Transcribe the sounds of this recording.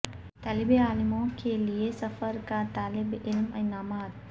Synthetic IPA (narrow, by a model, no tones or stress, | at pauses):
t̪ɐlibeːaːlimoːkʰeːlijesɐfɐɾkaːt̪aːlɪbɪlmɐ̰jnaːmaːd̪̚